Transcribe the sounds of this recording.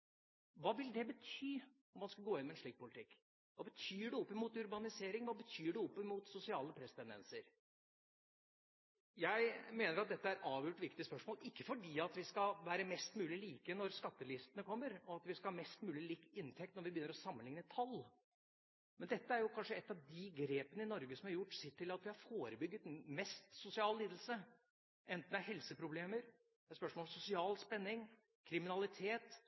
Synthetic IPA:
ʋɑːʋɪld̪ɛbət̪ʰyː | ɔmːɑnskɑɡoːɪnmɛnʂɭiːk̚pʰʊlɪt̪ʰɪkː | ʋɑːbət̪ʰyːɖɛɔpːɪmuːt̪ʉɾbɑnɪseːɾɪŋʋɑːbət̪ʰyːɖɛɔpːɪmuːt̪sʊsɪɑːləpʰɾɛst̪ʰɛnd̪ɛ̰nsəɾ | jæɪmeːnəɾɑt̪̚d̪ɛt̪ːəæɾɑːʋjuːʈʋɪkt̪ɪəspœʂmoːlɪkːəfɔɖiːɑt̪ʋɪskɑʋæːɾəmɛst̪mʉːlɪliːkənɔɾskɑt̪ːəlɪst̪ənəkʰɔmːəɾɔɑt̪ʋɪskɑlhɑːmɛst̪mʉːlɪliːkɪnt̪ʰɛkt̪nɔɾʋɪbjʏnəɾɔsɑmːənlɪŋnət̪ʰɑlː | mɛnd̪ɛt̪ːəæɾjʊkʰɑnʂəɛt̪ːɑʋd̪ɪɡɾeːpənəɪnɔɾɡəsɔmhɑɾjʊʈːsɪʈ̪ʰɪlɑt̪ʋɪhɑɾfoːɾəbʏɡːət̪mɛst̪sʊsɪɑːlliːd̪l̩sə | ʔɛnt̪n̩d̪æɾhɛlsəpʰɾʊbleːməɾ | ɛspœʂmɔlɔmsʊsɪɑːlspɛnːɪŋ | kʰɾɪmɪnɑlɪt̪ʰeːt̪

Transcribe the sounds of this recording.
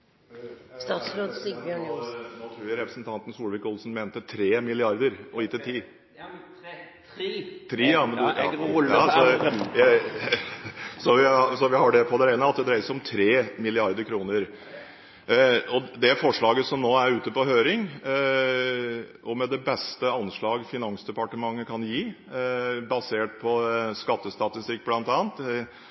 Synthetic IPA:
st̪ɑːt̪sɾoːd̪sbjøːɳnot̪ʰɾʉːɾɛpɾəsnt̪ʰɑnt̪n̩suːlʋɪkʊlsn̩meːnt̪ət̪ʰɾeːmɪlɪɑɾd̪əɾɔjiːt̪ɪt̪ʰiː | t̪ʰɾiːjɑmɛnd̪jɑːsɔjæ | sɔʋɪsɔʋɪhɑɖɛpʰɔd̪ɛɾæɪnəɑt̪̚d̪ɛd̪ɾæɪəsɔmt̪ʰɾeːmɪlɪɑɾd̪əɾkʰɾuːnəɾ | ɔd̪ɛæfɔʂɭɑːɡəsɔmnoːæɾʉːt̪əpɔhøːɾɪŋ | ɔmɛd̪ɛbɛst̪əɑnʂɭɑːɡfɪnɑŋsd̪ɛpɑʈəmɑŋːəkʰɑnjiː | bɑseːʈ̚pʰɔskɑt̪ːəst̪ɑt̪ɪst̪ɪk̚ːblɑnt̪ɑːənt̪

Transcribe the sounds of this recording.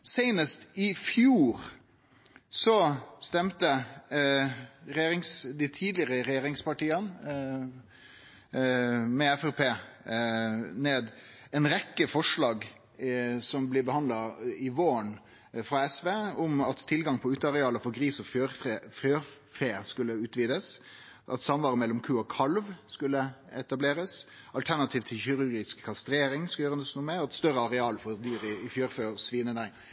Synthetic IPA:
sæɪnəst̪ɪfjuːɾ | sɔst̪ɛmt̪ə | ɾɛjeːɾɪŋsd̪ɪt̪ʰiːd̪lɪəɾəɾɛjeːɾɪŋspɑʈiːən | mɛɛfɛpʰeː | neːd̪ | ɛnɾɛkːəfɔʂlɑːɡ | sɔmblɪbəhɑnd̪lɑɪʋoːən | fɾɑɛsʋeːɔmɑt̪ʰːɪlɡɑŋpʰɔʉːt̪əɑɾɛɑːləfɔɾɡɾiːsɔføɾefjøːɾfeːskʉlːəʉːt̪ʋiːd̪əs | ʔɑ̰t̪sɑmʋɑːɾəmɛlːɔmkʰʉːɔkʰɑlʋskʉlːəɛt̪ɑbleːɾəs | ʔɑlt̪ʰænɑt̪ʰiːʋt̪ʰɪlɪɾʉɾɡɪskʰːɑst̪ɾeːɾɪŋskɑjøːɾənəsnuːmɛɔɛt̪st̪œɾəɑɾɛɑːlfɔɾd̪yːɾɪɪfjøːɾføɔsʋiːnəd̪æɪŋ

